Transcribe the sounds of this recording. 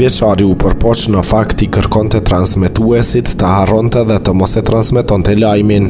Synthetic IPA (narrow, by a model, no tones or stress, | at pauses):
vjɛt͡ʃaɾiupəɾpɔt͡ʃnəfakt̪ikəɾkɔnt̪ɛt̪ɾansmɛt̪uɛsit̪ːəhaɾɔnt̪ɛðɛt̪əmɔsɛt̪ɾansmɛt̪ɔnt̪ɛlajmin